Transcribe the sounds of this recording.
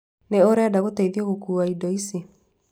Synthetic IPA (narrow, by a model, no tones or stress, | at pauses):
neoɾɛadaɣotaiðiɔɣokuːaidɔise